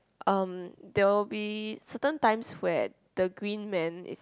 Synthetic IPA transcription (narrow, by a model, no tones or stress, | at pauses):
ʔʌ̃mdɛwlbisətə̃ntãɪ̃mswɛ | d̥əɡɹĩnmɛ̃nḭs